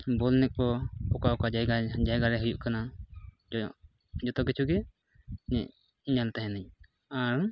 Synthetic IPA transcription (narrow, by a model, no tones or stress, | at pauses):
bɔlnɛk̚bɔɔkaɔkad͡ʒaɡad͡ʒajɡaɾɛɦujuʔkana | d͡ʒɔt̪ɔkit͡ʃʰuɡɛ | ɲɛ | ɲant̪aɦɛnaɲ | aɾ